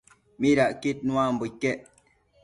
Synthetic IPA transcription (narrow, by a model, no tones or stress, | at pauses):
miɾaʔkit̚nwãm̩bukːɛʔ